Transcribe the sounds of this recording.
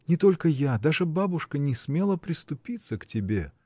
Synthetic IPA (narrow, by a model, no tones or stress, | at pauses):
nʲɪt̪o̞lʲkəjad̪aʐɨbabʊʂkənʲɪsmʲe̞lˠəpɾʲɪst̪ʊpʲit̪səktʲɪbʲe̞̰